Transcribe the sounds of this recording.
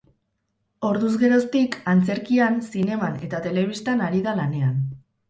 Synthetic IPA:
o̞ɾðuzɣe̞ɾo̞st̪ikant͡se̞ɾkiansine̞mane̞t̪at̪e̞le̞β̞ist̪anaɾiðalane̞an

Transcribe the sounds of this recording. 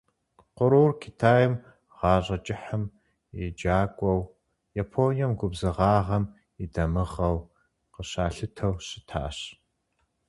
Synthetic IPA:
qʷʊɾuːrkʰitʰaːjɪm | ʁ̥ɑːɕʼɐt͡ʃʼɪħəm | id͡ʒaːkʷʼɔw | japʰoːnijɐmɡʷʊbzɨʁɑːʁɐm | idɐmɨʁɐw | qəɕaːɬɨtʰɐwɕɪtʰa̰ːɕ

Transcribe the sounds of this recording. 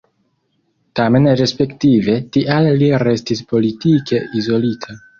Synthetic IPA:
tame̞nɾe̞spe̞ktive̞tiʔalːiɾe̞stispo̞litike̞izo̞litʰa

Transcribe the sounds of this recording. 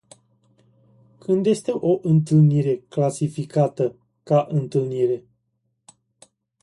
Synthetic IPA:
kʰɨnd̪je̞st̪e̞ʔo̞ʔɨnt̪ɨlniɾe̞klasifikat̪ə | kaʔɨnt̪ɨlniɾe̞

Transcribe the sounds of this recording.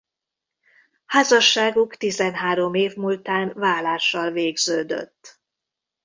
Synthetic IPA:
haːzɒʃːaːɡukt̪izɛnɦaːɾo̞meːvmult̪aːnvaːlaːʃːɒlveːɡzøːd̪ø̰t̪ː

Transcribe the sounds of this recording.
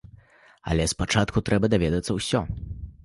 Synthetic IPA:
ɐ̰lʲɛspat͡ʂat̪kut̪ɾɛbɐd̪avʲɛd̪ɐt̪sɐwsʲɔ̰

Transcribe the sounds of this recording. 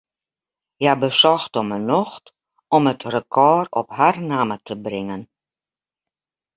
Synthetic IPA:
jabəsɔxtɔmənɔxt | ɔmətrəkʰɔːrɔ̰pharnaːmətʰəbrɪŋən

